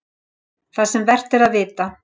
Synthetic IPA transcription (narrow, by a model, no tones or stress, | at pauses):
θasɛmvɛr̥t̪ɪɾaðvɪːt̪a